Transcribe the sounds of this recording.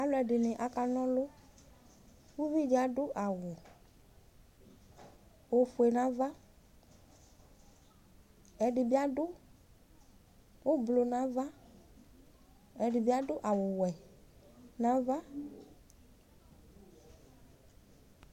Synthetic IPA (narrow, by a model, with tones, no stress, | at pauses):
a˨lʊ˦ɛ˨ɖɪ˨nɪ̃˨ʔa˨ka˨nɔ̃˦lʊ˦ | wu˦vi˦d͡ʒa˦ɖʊ˦ʔa˨wʊ˨ | wo˨fʊ˨ɛ˨nã˦va˦ | ɛ˨ɖɪ˨bi˦a˦ɖʊ˦ | wo˦blo˨nã˨va˦ | ɛ˨ɖɪ˨bi˦a˦ɖʊ˦ʔa˨wʊ˨wɛ˨ | nã˦va˦